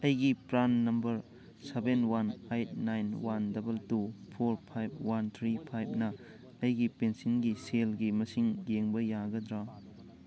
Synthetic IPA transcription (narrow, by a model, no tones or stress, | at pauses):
ɐjɡipɾanːɐmbɐɾ | sebenwanajt̚najnwandɐbɐltupʰoɾpʰajb̚ʰwant̪ʰɾipʰajb̚nɐ | ɐjɡipensinɡiselɡimɐsiŋɡeŋbɐjaɡɐd̪ɾa